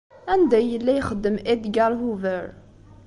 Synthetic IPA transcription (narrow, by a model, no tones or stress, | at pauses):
ænd̪æjəlːæjχəd̪ːəmʔed̪ɡæɾhuvəɾ